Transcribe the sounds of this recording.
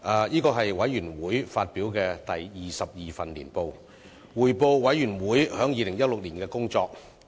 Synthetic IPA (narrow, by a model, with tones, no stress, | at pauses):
ʔɛː˨˧jiː˥kɔː˧ɦɐ˨jwɐ˨˥jɥyː˨˩nwuː˨˥jfaː˧t̚piː˨˥wkɛː˧t̪ɐ˨jjiː˨sɐ˨p̚jiː˨fɐ˨nlḭː˨˩npo˨˧w | wuː˨˩jpo˨˧wwɐ˨˥jɥyː˨˩nwuː˨˥jhœː˨˥ŋjiː˨˧lɪ˨˩ŋjɐ˥t̚lʊ˨k̚liː˨˩nkɛː˧kʊ˥ŋt͡ʃɔː˧k̚